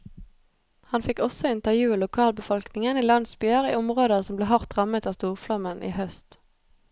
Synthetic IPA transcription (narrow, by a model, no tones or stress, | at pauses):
hɑnfɪkɔsɔɪnt̪əjʉːlʊkʰɑːlbəfɔlknɪŋəniːlɑnsbyəʁḭːɔmʁoːd̪əsɔmbleːɦɑʁt̪ʁɑmət̪ɑːst̪uːʁflɑmənʔḭːhœst̪